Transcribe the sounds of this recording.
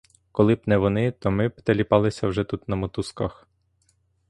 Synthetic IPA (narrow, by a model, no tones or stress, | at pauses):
kɔlˠɪbnɛʋɔnɪt̪ɔmɪpt̪elʲipɑlˠɪsʲɐwʒɛt̪ut̪nɐmɔt̪uskɐx